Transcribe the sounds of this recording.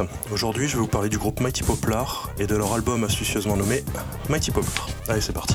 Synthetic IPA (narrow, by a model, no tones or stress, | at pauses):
oʒuʁd̪ɥiʒəvevupaʁled̪yɡʁupmajt̪ʰi̥pɔplaʁ | ed̪əlœʁalbɔmãst̪ysjøzmɑ̃nɔme | majt̪ipɔplaʁaesɛpaʁt̪i̥